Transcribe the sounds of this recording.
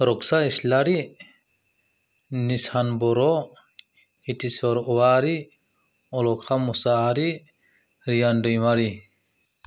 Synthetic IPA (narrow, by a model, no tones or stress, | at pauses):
ɾɔksaislaɾi | nisanbɔɾɔ | hitisɔɾɔwaɾi | ɔlɔkʰamɔsaɾi | ɾijandɔjmaɾi